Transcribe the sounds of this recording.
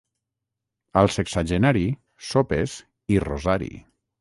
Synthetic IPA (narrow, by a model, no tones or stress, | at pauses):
alˠseksaʒenaɾi | sopes | irozaɾḭ